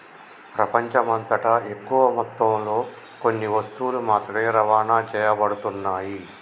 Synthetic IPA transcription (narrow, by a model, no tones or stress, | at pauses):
pɾɐpɐɲt͡ʃɐmɐnt̪ɐʈɐe̞kːuʋɐmɔt̪ːɐmlo̞ː | ko̞nːiʋɐst̪ulumaːt̪ɾɐeːɾɐʋaːnaːt͡ʃɛːjɐbɐɽut̪unːaːji